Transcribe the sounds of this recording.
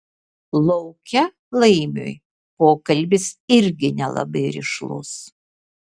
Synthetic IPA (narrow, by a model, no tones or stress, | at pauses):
lˠɒʊkʲɛ | lˠɐɪmʲo̰ːj | poːkɐlʲbʲɪsɪɾʲɡʲɪnʲɛlˠɐ̰bɐɪɾʲɪ̰ʃlˠʊ̰s